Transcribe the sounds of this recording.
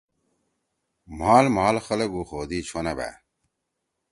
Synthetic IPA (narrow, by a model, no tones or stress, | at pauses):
m̤aːlmaːlxɐlɐɡuːxoːd̪iːt͡ɕʰonɐbḛ